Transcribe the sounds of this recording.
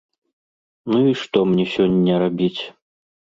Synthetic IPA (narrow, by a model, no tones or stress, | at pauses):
nuiʂt̪ɔmnʲɛsʲɔnʲːɐɾabʲit͡sʲ